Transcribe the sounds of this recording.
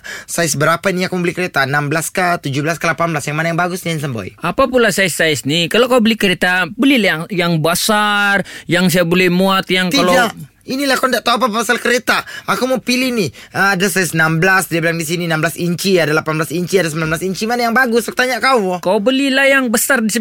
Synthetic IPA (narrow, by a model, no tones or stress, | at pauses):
saisəbəɾapainiakuməbəlikəɾet̪anambəlaskat̪ud͡ʒubəlaskalapanbəlasjaŋmanajaŋbaɡʊsnians̬əmbo̰j̰ʔapapulasaɪsaɪsnikalokaubəlikəɾet̪abəlilajaŋbasarjaŋs̬ajabolɛhmuat̪jaŋk̪ialodaʔ | inilahkandaʔt̪aap̬apasalkəɾet̪aakumopilihnɪəadasaɪsnamblasdiabilaŋdisininambəlasiɲt͡ʃiadalapanblasiɲt͡ʃiadas̬əmbilanblasiɲt͡ʃimanajaŋbaɡʊsək̚t̪aɲakauwɔkaubəlilajaŋbəsardisi